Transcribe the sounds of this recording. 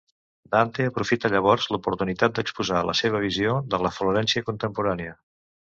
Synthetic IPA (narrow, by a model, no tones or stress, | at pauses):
d̪ant̪eəpɾufit̪əʎəβ̞ɔrzlupuɾt̪unit̪at̪̚d̪əkspuzalə̰seβ̞əβiziod̪ələfluɾɛnsiəkunt̪əmpuɾaneə